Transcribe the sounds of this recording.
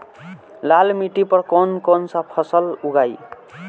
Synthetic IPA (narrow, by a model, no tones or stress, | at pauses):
lalmiʈipʌɾkonkonsapʰʌsʌluɡaj